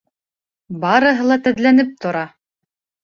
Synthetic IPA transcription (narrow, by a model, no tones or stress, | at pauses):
bɑɾɤ̆ɦɤ̆lˠɑt̪æ̆ðlænɘp̚t̪ŏɾɑ